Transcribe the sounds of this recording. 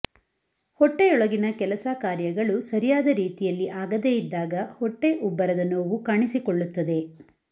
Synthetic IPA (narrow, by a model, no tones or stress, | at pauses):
hɔʈːeɔɭɐɡinɐkɛlɐsakaːɾjɐɡɐɭusɐɾijaːd̪ɐɾiːt̪ijɐlːiʔaːɡɐd̪eːjid̪ːaːɡɐhɔʈːe̞ʔubːɐɾɐd̪ɐnoːʋukaːɳisikoɭːut̪ːɐd̪e̞